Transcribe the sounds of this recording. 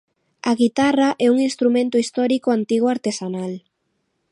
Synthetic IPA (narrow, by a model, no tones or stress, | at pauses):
aɣit̪araʔɛuŋinst̪ɾumẽnt̪ʊist̪ɔɾikoant̪iɣwaɾt̪esanal